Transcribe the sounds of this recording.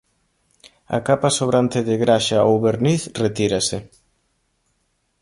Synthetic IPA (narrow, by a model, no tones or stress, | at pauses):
ɐ̰kapasoβɾant̪eðɪɣɾaʃaowβeɾniθret̪iɾase